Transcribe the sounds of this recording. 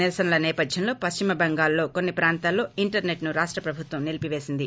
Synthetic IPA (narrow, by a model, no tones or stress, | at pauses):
niɾɐsɐnɐlɐnɛːpɐd̪jɐnlo̞ːpɐst͡ʃimɐbɐŋɡaːlːo̞ːko̞nːipɾaːnt̪aːlːo̞ːiɳʈɐɾne̞ʈnuɾaːʂʈɾɐpɾɐbʱut̪ʋɐmnilipiʋe̞ːsind̪i